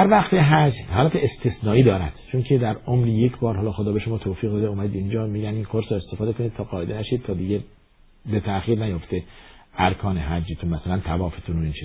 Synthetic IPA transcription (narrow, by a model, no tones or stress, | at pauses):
d̪æɾvæχt̪ʰeɦæd͡ʒhɒːlæt̪ʰeest̪ʰesnɒːʔiːd̪ɒːɾæ̰d̪̥t͡ʃʰoncʰed̪æɾomɾijecʰbɒːɾɦɒːlɒːxod̪ɒːbe̞ʃomɒːt̪ʰoːfiːɣd̪ɒːd̪eumæd̪iːd̪ind͡ʒɒːmiːɟæniːnkʰoɾse̞st̪e̞fɒːd̪ekʰonid̪̥̚t̪ʰɒːɡɒːe̞d̪enæʃiːd̪̚t̪ʰɒːd̪iːɟe | bet̪ʰæxiːɾnæjoft̪eʔæɾkʰɒːneɦæd͡ʒiːt̪ʰunmæsælænt̪ʰævɒːfet̪ʰunoint͡ʃʰi